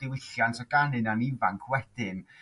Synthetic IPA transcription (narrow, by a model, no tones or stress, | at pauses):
d̥ɪwɪɬjantʰɔɡ̥anɨnanivaŋkʰwɛd̥ɨn